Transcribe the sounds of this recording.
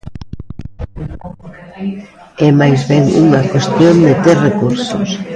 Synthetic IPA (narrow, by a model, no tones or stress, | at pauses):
ɛmajzβɛŋṵŋakwest̪jond̪ɪt̪erekuɾsʊ̰s